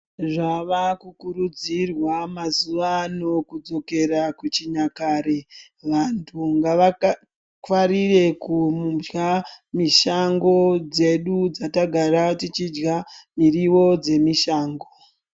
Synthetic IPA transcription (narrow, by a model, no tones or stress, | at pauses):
ʐaʋakukuɾud͡zirwamazuʋano̞kud͡zo̞ke̞ɾakut͡ʃiɲakaɾe̞ | ʋantʰuŋɡaʋa | kwaɾire̞kumud͡ʒɡamiʃaŋɡo̞d͡ze̞ɗud͡zataɡʱaɾatit͡ʃid͡ʒɡamiriwo̞d͡ze̞miʃaːŋɡo̞̥